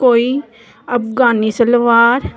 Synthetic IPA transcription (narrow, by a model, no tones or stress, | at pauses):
koːi | ɐpɡaːnisəlʋaːɾ